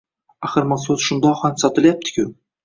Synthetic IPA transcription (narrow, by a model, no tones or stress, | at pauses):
aχɨɾmɑsozʃʊnd̪ɒqhansɒt̪ɪlˠjap̚t̪ʰɪ̥kʲʰʊ